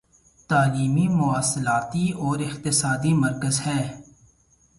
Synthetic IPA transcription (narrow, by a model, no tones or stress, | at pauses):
t̪aːliːmimʊaːsːɪlaːt̪iɔːɾɪxt̪ɪsaːd̪imɐɾkəzhɛː